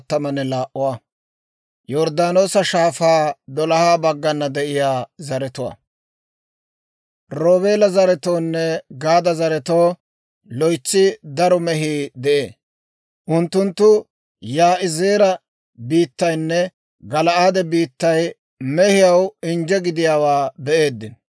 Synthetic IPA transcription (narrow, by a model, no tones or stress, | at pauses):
t̪ːɐmɐnːɛlaːʔʊwaː | jɔɾd̪aːnoːsɐʃaːfaːd̪ɔlɐhaːbɐɡːɐnːɐd̪ɛʔɪjaːzɐɾɛt̪ʊwa̰ː | ɾoːβe̞ːlɐzɐɾɛt̪o̞ːnːɛɡaːd̪ɐzɐɾɛt̪o̞ː | lɔjt͡sːɪd̪ɐɾɔmɛɦiːd̪ɛʔḛː | ʔʊnt̪ːʊnt̪ːʊ | jaːʔɪzeːɾɐ | biːt̪ːɐjnːɛ | ɡɐlɐʔaːd̪ɛbiːt̪ːɐj | mɛhɪjɐwɪnd͡ʒɛɡɪd̪ɪjaːwaːbɛʔe̞ːd̪ːɪn